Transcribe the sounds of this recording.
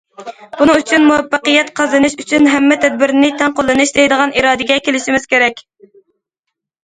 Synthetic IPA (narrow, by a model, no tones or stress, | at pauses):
b̥unɨŋyt͡ʃʰynmuwɛpːəqəjɛt̪qʰɑzɨnɨʃyt͡ʃʰynɦɛmːɛt̪ʰɛd̪̚bɪɾnɪt̪ʰɛŋqolˠːɨnɨʃd̪ejd̪əʁɑnʔiɾɑːd̪ɪɡʲɛkʲelɪʃimɪz̥kʲeɾɛkʲ